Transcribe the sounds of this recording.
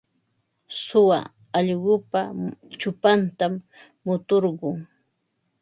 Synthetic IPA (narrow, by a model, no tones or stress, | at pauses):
sʊwa̰ | ɑʎɢʊpat͡ʃʊpant̪amː | ʊt̪oɾɢʊŋ